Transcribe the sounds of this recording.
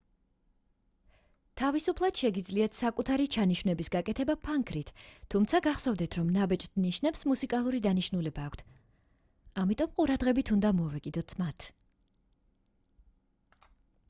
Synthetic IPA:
t̪ʰavisupʰlˠad̪̥ʃɛɡid̪zliat̪ʰsakʼut̪ʰaɾit͡ʃʰaniʃvnɛbisɡakʼɛt̪ʰɛbapʰaŋkʰɾit̪ʰːumt̪sʰaɡaχsɔvd̪ɛt̪ʰɾɔmnabɛt͡ʃʼt̪niʃnɛpsmusikʼalˠuɾid̪aniʃnulɛbaːkʷʰt̪ʰ | amit̪ʼɔmqʼuɾad̪ʁɛbit̪ʰund̪amɔvɛkʼid̪ɔt̪ʰmat̪ʰ

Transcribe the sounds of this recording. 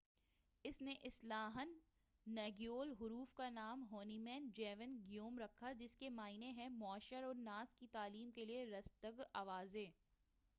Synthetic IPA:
ɪsneʔɪslaːɦənː | ɛːɡijoːlɦʊɾuːfkanaːmɦoːnimɛ̃ːnd͡ʒɛːʋənɡijoːmɾɐkʰːad͡ʒɪskemaːɪneɦɛ̃mʊaʃəɾɔːɾnaːs̚kit̪aːliːmkelieɾɐst̪əɡaːʋaːzeː

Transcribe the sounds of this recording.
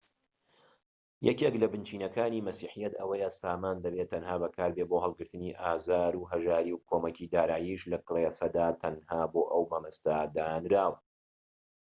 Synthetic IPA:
jɛ̰keklɐbɨnt͡ʃiːnɐkaːniːmɐsiːħijɐt̪ɐwɐjəsaːmaːnd̪ɐbet̪ʰːɐnhaːbɐkʰaːɾbeboɦɐlˠɡɨɾt̪ɨniːʔaːzaːɾuːɦɐʒaːɾiwkʰoːmɐkiːd̪aːɾaːjiʃlɐklˠesɐd̪aːt̪ʰɐnhaːboːʔɐwbɐmɨst̪ad̪aːnɾaːw

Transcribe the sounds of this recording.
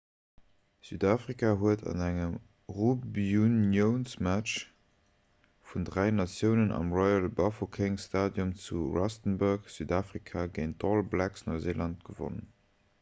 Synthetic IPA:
z̥yːdaːfʁikʰaɦuətʰɑ̰næŋəm | ʁobunjəʊnsmæt͡ʃ | fundʁæɪnɑt͡sjəʊnənɑ̰mʁɔjəlbɑfokʰeŋstaːdjumt͡suʁɑstənbəkz̥yːdaːfʁikʰaɡeɪntʰɔlblæksnoɪzeːlʔɑnt̚ɡ̥əvo̰nən

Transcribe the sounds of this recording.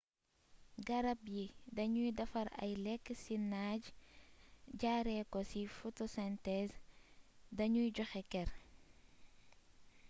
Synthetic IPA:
ɡɐɾɐpjidɐɲujdɐfɐɾɐ̰jlɛkːsinaːɟ | ɟaɾɛkɔsifotosɛntɛs | dɐɲujɟɔxɛkɛɾ

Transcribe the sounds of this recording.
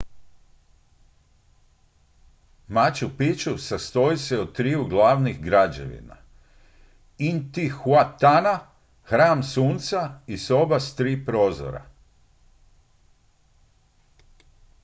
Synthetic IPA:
mat͡ɕupit͡ʃusast̪o̞jiseod̪̚t̪ːɾiːuɡlˠaːʋnixɡɾad͡ʑeʋḭna̰ | int̪ixwat̪ana | xɾaːmsuːnt̪saiso̞bast̪ɾiːpɾoːzo̰ɾa̰

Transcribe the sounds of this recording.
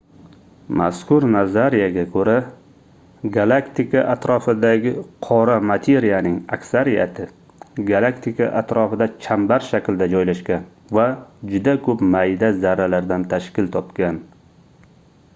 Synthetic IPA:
ma̰skʊɾnazaɾijaɡʲakʰɵɾa | ɡalˠakt̪ikʰaʔat̪ɾɒfɪd̪aɡʲɪqʰɒɾamat̪ʰe̞ɾijanɪŋa̰kʲsaɾija̰t̪ʰɪ | ɡalˠakt̪ʰɪkaʔat̪ɾɒfɪd̪at͡ʃʰambaɾʃakʲld̪ad͡ʒɒjlaʃɡʲan | vad͡ʒʊd̪akʰɵpmajd̪azaɾalaɾd̪ant̪ʰaʃkʲɪlt̪ʰɒpkʲan

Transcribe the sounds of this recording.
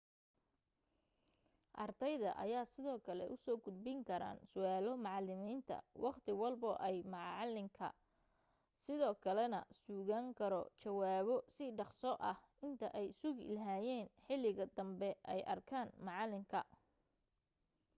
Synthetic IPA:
ʔɑ̰rt̪ʰɐjðɐ̰ʔɐ̰jaːsɪðɔːkʰɐlɛ̰ʔʊsɔːɡʊd̪̚bɪŋkʰɐɾa̰ːnsʊaːlɔmɑʕɑlɪmiːnt̪ʰɐ̰wʔɑqt̪ʰɪwɑlbɔʔɛjmɑʕlɪmkʰɐ̰ | sɪðɔːkʰɐlɛnɐ̰suːɣaːŋkʰɐɾɔ̰t͡ʃɐwaːβɔsɪɖɑqsɔʔɐh | ɪnt̪ʰɐ̰ʔɛjsʊɣlɐɦaːjɛːnħɪlɪɣɐd̪ɐmbɛʔɛjʔɐ̰rkʰaːnmɑʕɑlɪmkʰɐ

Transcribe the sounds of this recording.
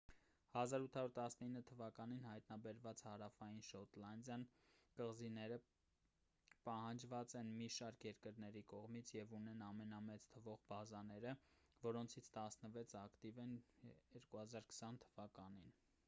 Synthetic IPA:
hɑzɑɾut̪ʰɑuɾt̪ɑsnəinːət̪ʰəvɑkɑninhɑjt̪nɑbɛɾvɑt͡shɑɾɑfɑjinʃɔt̪lɑnd̪jɑnkəʁzinɛɾə | pɑhɑnd͡ʒvɑt͡sɛnmiʃɑɾkʰjɛɾkəɾnɛɾikɔʁmit͡sʰjɛvunɛnɑmɛnɑmɛt͡sʰt̪ʰəvɔʁbɑzɑnɛɾəvɔɾɔnt͡sʰit͡sʰt̪ɑsnəvɛt͡sʰɑkt̪ivɛnjɛɾkuhɑzɑɾkʰə̥sɑnt̪ʰəvɑkɑnin

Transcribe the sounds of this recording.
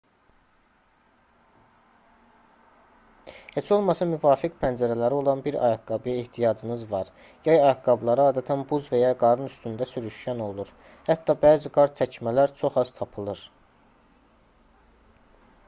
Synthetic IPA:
he̞t͡ʃʰo̞lˠmɑsɑmyvɑːfikpʰænd͡ʒæɾælæɾio̞lˠɑnbiɾɑ̰jɑkɡɑbjɑeht̪ʰijɑd͡ʒɯnɯzvɑɾ | jɑjɑjɑkɡɑblˠɑɾɯɑːd̪æt̪ʰænbuzvejɑɡɑɾɯnyst̪ynd̪æsyɾyʃjæno̞lˠuɾ | hæt̪ʰːɑbæːziɡɑɾt͡ʃʰæcʰmælæɾt͡ʃʰo̞χɑz̥t̪ʰɑpʰɯlˠɯɾ

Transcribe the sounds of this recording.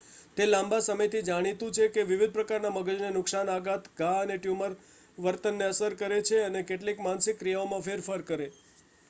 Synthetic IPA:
t̪elãmbasəməjt̪ʰid͡ʒaɽ̃it̪ũt͡ʃʰekeʋɪʋid̪̚pɾəkaɾnaməɡəd͡ʒnenʊksanaɡat̪ɡʱãəneʈjuməɾ | ʋəɾt̪ənːeəsəɾkəɾet͡ʃʰeənekeʈlikmansɪkːɾijaomãfeɾfəɾkəɾe

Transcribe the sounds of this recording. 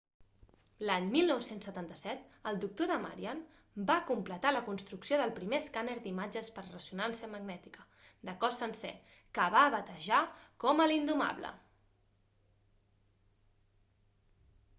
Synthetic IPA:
laɲmilˠnɔwsensːət̪ant̪əsɛt̪əlˠd̪uk̚t̪oðəma̰ɾian | bakumplət̪aləkunst̪ɾuksioðəlˠpɾimeskaneɾd̪imad͡ʒəspəɾrəsunansiəməɡnɛt̪i̥kə | d̪əkɔsənsɛ̰ | kəβaβət̪əʒakɔməlind̪uma̰βlə̰

